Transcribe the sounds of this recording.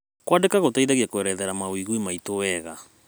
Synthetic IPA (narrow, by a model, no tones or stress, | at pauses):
kwandekaɣotaiðaɣiakoɛɾɛðɛɾamawiɣwimaitowɛɣa